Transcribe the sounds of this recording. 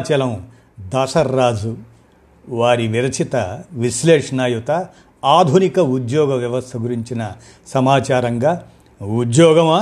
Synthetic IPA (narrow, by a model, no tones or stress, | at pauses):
t͡ʃɐlɐm | d̪aːsɐɾːaːd͡ʒu | ʋaːɾiʋiɾɐt͡ʃʰit̪ɐʋiʃleːʂɐnaːjut̪ɐ | aːd̪ʱunikɐud̪jɔːɡɐʋjɐʋɐst̪ʰɐɡuɾiɲt͡ʃinɐ | sɐmaːt͡ʃaːɾɐŋɡaː | ud̪jɔːɡɐmaː